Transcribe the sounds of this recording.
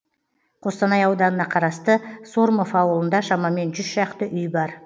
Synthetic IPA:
qʰo̞st̪ɑnɑjɑwd̪ɑnənɑqʰɑɾɑst̪əsoɾmo̞fɑwəlˠənd̪ɑʃɑmɑme̞nʒʏz̥ʃɑqt̪əʔʏjbɑɾ

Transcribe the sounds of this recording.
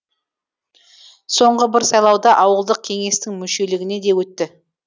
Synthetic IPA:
so̞ɴʁəbɪɾsɑjlˠɑwd̪ɑʔɑwəlˠd̪əq̚kʲʰe̞ŋe̞st̪ɪŋmʏʃe̞lɪɡʲɪne̞d̪e̞wɵt̪ːɪ

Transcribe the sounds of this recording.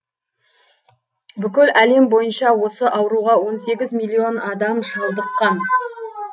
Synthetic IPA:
bʏkʲɪlʔæle̞mbo̞jənʃɑwo̞səʔɑwɾuʁɑwo̞nse̞ɡʲɪzmijlʲˠːio̞nɑd̪ɑmʒɑlˠd̪əqːɑn

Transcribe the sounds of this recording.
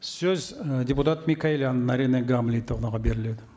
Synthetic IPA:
sɵzdʲeput̪at̪mʲikailʲanənaɾʲineɡamlʲijt̪ʰoʁnɑʁɑbe̞ɾɪle̞d̪ɪ

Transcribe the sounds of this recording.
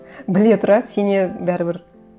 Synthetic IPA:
bɪle̞t̪ʰʊɾɑse̞nebæɾɪbɪɾ

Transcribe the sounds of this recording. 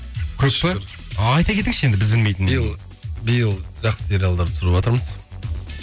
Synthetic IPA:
kʲʰɵʃlˠe | ɑjt̪ɑkʲʰe̞t̪ɪŋʃe̞nd̪ɪbɪzbɪlme̞jt̪ɪnbjəlˠ | bijəlˠʒɑqsəseɾjalˠd̪ɑɾt̪ʰʊ̥sɾəpwɑt̪əɾməz̥

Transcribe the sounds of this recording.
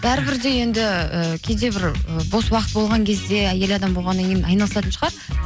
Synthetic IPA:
b̥æɾɪbɪɾd̪e̞je̞nd̪ɪəkʲʰed̪e̞bɪɾəbo̞swɑqət̪̚bo̞lˠʁɑŋkʲʰe̞zd̪e̞æje̞lɑd̪ɑmbo̞lˠʁɑnːɑŋkʲʰenɑjnɑlˠəsɑt̪ənʃəʁɑɾ

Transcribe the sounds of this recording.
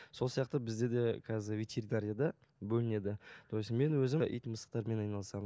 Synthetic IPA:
so̞lˠsijɑq̚t̪əbɪzd̪e̞d̪e̞kʰɑzɪvʲet̪ʲʰe̞ɾinaɾʲijad̪ɑ | bɵlɪne̞d̪ɪd̪ʰosənme̞nwɵzɪʔḭjt̪məsə̥q̚t̪ɑɾme̞nɑjnɑlˠəsɑmən

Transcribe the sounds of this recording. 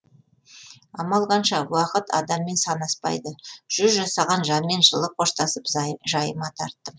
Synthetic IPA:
ɑmɑlˠʁɑnʃɑwɑqət̪ʰɑ̰d̪ɑmːe̞nsɑnɑspɑ̰jd̪əʒ̥ʏzʒɑsɑʁɑnʒɑnme̞nʒəlˠəqʰo̞ʃt̪ɑsəpʒɑjəmɑt̪ʰɑɾt̪ːə

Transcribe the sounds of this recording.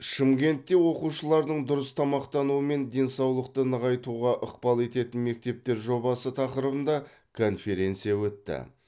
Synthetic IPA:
ʃɪmkʲe̞nt̪ːe̞wo̞quʃəlˠɑɾd̪əɴd̪ʊɾəst̪ʰɑmɑqt̪ɑnuəme̞nd̪e̞nsɑwlˠəq̚t̪ənəʁɑjt̪uʁɑʔəqpɑlˠe̞t̪e̞t̪ɪnme̞k̚t̪e̞p̚t̪e̞ɾʒo̞bɑsət̪ʰɑqəɾəbənd̪ɑ | kʰo̞nfe̞ɾe̞nt̪sijɑwɵt̪ːɪ̰

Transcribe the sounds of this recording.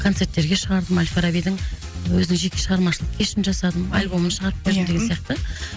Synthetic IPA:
kʰot̪se̞ɾt̪ːe̞ɾɡʲeʃəʁɑɾd̪əmalʲfeɾabijd̪ɪŋ | wɵzɪnɪŋʒe̞kʲe̞ʃəʁɑɾmɑʃlˠəq̚kʲʰeʃɪnʒɑsɑd̪əmalʲbo̞mənʃəʁɑɾəp̚beɾd̪ɪmd̪eɡʲensijɑq̚t̪ə

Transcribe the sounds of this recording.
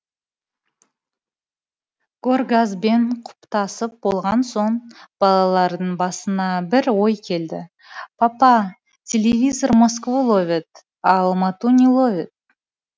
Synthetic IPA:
ɡ̥orɡazbeɴqʰʊ̥pt̪ɑsəp̚bo̞lˠʁɑnso̞ɴb̥ɑlˠɑlˠɑɾd̪əɴbɑsənɑbɪɾwo̞jkʲʰe̞ld̪ɪ | pʰɑpɑ | tʲʰelʲevʲizo̞rmos̬kvolˠovʲet̪ | ɑlˠmɑt̪unʲilˠovʲɪt̪̚

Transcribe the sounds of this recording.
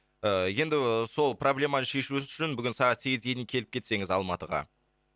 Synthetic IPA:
əje̞nd̪ɪso̞lˠproblʲe̞mɑnəʃe̞ʃuʃɪnbʏɡʲɪnsɑʁɑt̪se̞ɡʲɪzɡʲe̞jd̪ɪkʲʰe̞lɪpkʲʰe̞t̪se̞ŋɪzɑlˠmɑt̪əʁɑ̰

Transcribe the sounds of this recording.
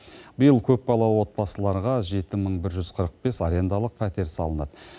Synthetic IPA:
bəjəlˠkʲʰɵpːbɑlˠɑwo̞t̪̚pɑsəlˠɑɾʁɑʒe̞t̪ɪməɴbɪɾʒʏz̥qʰəɾəq̚be̞saɾe̞nd̪ɑlˠəq̚pʰæt̪e̞ɾsɑlˠənɑ̰d̪ə

